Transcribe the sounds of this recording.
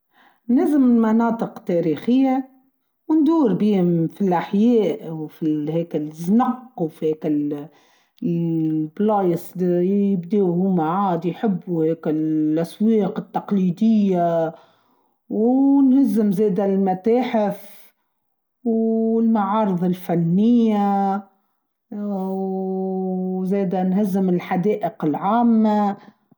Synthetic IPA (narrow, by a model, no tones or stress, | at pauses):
nɪzɪmɪlmɑnɑːt̪ˤɨqt̪ɛːɾiːxɪjːa | wnd̪uːɾbiːhʊmfilʔaħjɛːʔwfihɛːkɪlznɑqːwfihɛːkɪl | blɑːjəsˤjɪbd̪eːhʊmːaʕaːd̪ijħɪbːuheːkɪlʔæsweːqɪt̪ːɑqliːd̪ɪjːa | wnhɪzːɪmzeːd̪almæt̪æːħɪf | wɪlmaʕɑːɾɨðˤɪlfanːɪjːa | zeːd̪ænhɪzːɪmɪlħad̪eːʔəqɪlʕaːmːa